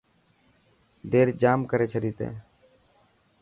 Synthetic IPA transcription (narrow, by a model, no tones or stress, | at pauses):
ɖeːɾd͡ʒaːmkəɾeːt͡ʃʰəɾiːt̪ḛ̃ː